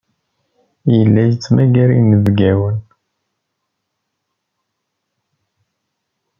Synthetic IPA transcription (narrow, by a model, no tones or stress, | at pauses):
jəlːæjət͡sːmæɡæɾinəvɡæwən